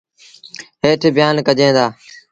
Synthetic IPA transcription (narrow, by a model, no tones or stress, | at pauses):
ɦeːʈʰːbjaːnkəd͡ʒẽːd̪aː